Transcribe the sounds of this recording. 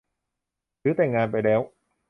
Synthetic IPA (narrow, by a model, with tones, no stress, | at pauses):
sɯː˨˦˥t̪ɛː˨˩ŋːaː˧npa˧jlɛː˦˥w